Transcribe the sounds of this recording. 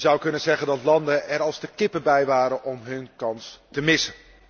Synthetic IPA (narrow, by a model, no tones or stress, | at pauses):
zʌwkɵnənzɛɣəndɑtlɑndəʔɛɾɑlˠstəkɪpəbɛjʋaːɾəʔɔmɦɵnkɑnstəmɪsən